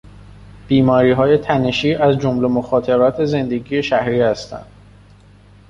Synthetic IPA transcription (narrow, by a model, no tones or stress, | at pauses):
b̥iːmɒːɾiːɦɒːje̞t̪ʰæne̞ʃiːʔæzd͡ʒomle̞moxɒːt̪ʰe̞ɾɒːt̪ʰe̞ze̞nd̪e̞ɡije̞ʃæhɾiːhæst̪æ̰nd̪̥